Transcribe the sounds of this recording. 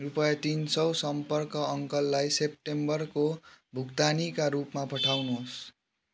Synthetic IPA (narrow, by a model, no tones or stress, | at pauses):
rupʌjʌt̪insʌwsʌmpʌrkʌʌŋkʌlːajsep̚ʈembʌrkobʱukt̪anikaɾupmapʌʈʰawnuɦos